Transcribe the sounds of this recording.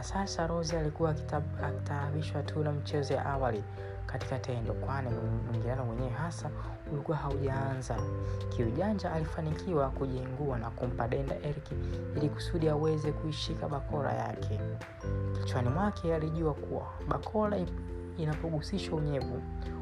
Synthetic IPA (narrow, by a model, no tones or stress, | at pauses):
asasaɾɔzialikuaaki̥taːɓiʃwatʰunamit͡ʃɛzɔja̰ʔawali | kati̥katɛndɔ̰kwanimiŋɡinanɔwɛɲɛwɛɦasa | ulikuwahauʄaanzakʰiuʄand͡ʒaʔːlifanikʰiwakuʄiŋɡuanakum̩paɗɛnda̰ʔɛɾkiiliku̥suɗiawɛzɛkuiʃikaɓakʰɔɾa̰ja̰kʰɛ | ki̥t͡ʃwanimwakʰɛaliʄuakuwa̰ | ɓakʰɔla | inapɔɡusiʃauɲɛvu